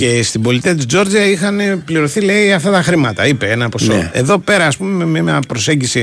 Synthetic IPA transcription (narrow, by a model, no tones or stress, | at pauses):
ce̞st̪ibo̞lit̪iɐt̪̬uzo̞ɾd͡ziɐixɐne̞pliɾo̞θile̞iɐft̪ɐt̪ɐxɾimɐt̪ɐipe̞enɐpo̞so̰e̞ðo̞pe̞ɾɐːspume̞memɐmɐpɾo̞se̞ɲɟisi